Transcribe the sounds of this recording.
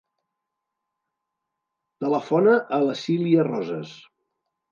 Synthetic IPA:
t̪ələfɔnəʔələsiliərɔzə̰s

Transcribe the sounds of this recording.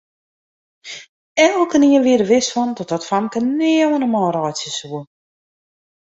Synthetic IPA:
ɛlˠkəniənʋɪəɾəʋɪsfɔndɔt̚ɔtfamkənɛːəwənəmɔjɾɔjtsjəsuə

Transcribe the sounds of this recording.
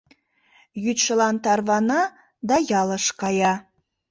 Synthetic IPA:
jyt̪ʃəlˠɑnt̪ɑɾvɑnɑ | d̪ɑjɑlˠəʃqɑjɑ

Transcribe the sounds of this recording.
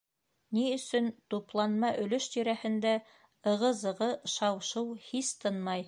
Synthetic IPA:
niɵ̆sɵnt̪uplˠɑnmɑʔɵ̆lɵʃt̪iɾæhɘ̆nd̪æ | ɤ̆ʁɤzɤ̆ʁɤʃɑwʃɤwhist̪ɤnmɑj

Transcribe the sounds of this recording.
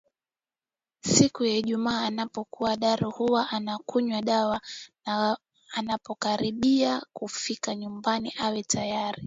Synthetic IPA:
sikujaiʄumaːnapɔkuwaɗaɾuhuwaʔanakuɲwaɗawa | anapɔkaɾiɓiakufikaɲumbaniʔawɛtʰajaɾi

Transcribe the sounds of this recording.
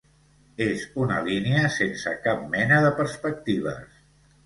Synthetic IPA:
ezunə̰liniəsensə̰kap̚mɛnəðəpəɾspək̚t̪iβ̞ə̰s

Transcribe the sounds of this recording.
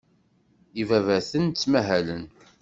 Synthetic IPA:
ivævæθənt͡sːmæɦælən

